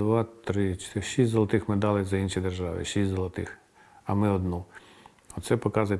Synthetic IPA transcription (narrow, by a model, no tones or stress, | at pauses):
ʋɑt̪ɾɪt͡ʃʃisʲzɔlˠɐt̪ɪxmed̪ɑlˠɪzɐinʃid̪erʒɑʋɪ̰ʃisʲzɔlˠɐt̪ɪ̰x | ɐmɪɔd̪nu | ɔt̪sɛpɔkɑzʊjɛ